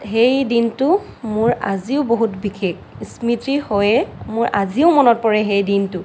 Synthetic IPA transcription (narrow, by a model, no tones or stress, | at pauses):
ɦejdintʊ | mʊɹaziʊboɦutbikʰek | smitɹihojɛmʊɹʔaziʊmɔnɔt̚pɔɹɛxejdintʊ